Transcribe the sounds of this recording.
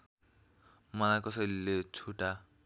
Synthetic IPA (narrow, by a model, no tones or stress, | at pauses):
manakɔselːet͡sʰuʈa